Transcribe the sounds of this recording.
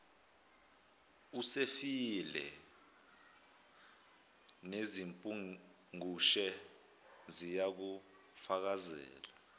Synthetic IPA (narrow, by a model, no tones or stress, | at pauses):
usefilɛ̰ | nezimpʼu | ŋuʃɛ | zijak̬u | fak̬azɛ̰ːla